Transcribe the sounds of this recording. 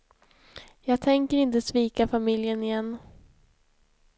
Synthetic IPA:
jɑːɡ̚t̪ʰɛŋkəɾɪnt̪əsviːkafamɪljənɪjɛnː

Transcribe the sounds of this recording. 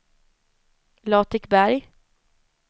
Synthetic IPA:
lɑːt̪ʰɪkbæɾj

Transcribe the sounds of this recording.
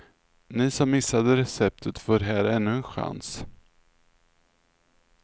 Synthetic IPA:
nɪsɔmːɪsːad̪əɾɛsɛp̚t̪ʰət̪foːɾɦæːɾɛnːɵɛnɧa̰ns

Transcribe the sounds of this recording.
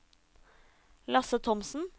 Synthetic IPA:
lɑsət̪ʰɔmsn̩

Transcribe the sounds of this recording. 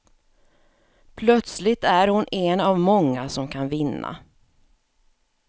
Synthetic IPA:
pʰlœt̪slɪt̪æɾhʊnʔɛnavmɔŋːasɔmkʰanvɪnːa̰

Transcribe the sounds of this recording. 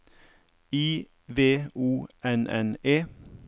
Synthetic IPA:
iː | ʋeːuːʔɛnʔɛneː

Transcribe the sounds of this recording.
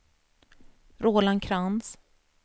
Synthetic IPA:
ɾoːlankʰɾans

